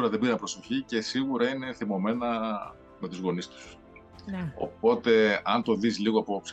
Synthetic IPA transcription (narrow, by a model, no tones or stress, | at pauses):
ɾɐðebiɾɐnpɾo̞so̞çice̞siɣuɾɐine̞θimo̞me̞nɐ | me̞t̪uzɣo̞nist̪u̥s | o̞̰po̞t̪e̞ɐnt̪o̞ðizliɣoɐpo̞ps